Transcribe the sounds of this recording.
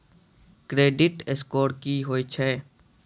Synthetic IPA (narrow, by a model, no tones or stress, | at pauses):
kɾeːɖɪʈeskoːɾkiɦoːit͡ʃʰɛː